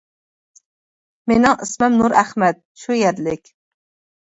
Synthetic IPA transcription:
menɪŋismɛmnuɾæχmɛt̪̚ʃujæɾlɪkʲ

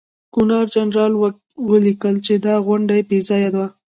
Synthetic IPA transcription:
kunɑɾd͡ʒanɾɑlw | wəlikəlt͡ʃed̪ɑɣwʊɳɖaebezɑjad̪wa

